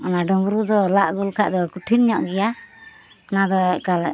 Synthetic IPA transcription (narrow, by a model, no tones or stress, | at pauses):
ɔnaɖɔbɾud̪ɔlaʔɡulkʰaʔd̪ɔkuʈʰinɲɔʔɡɛja | nad̪ɔɛckal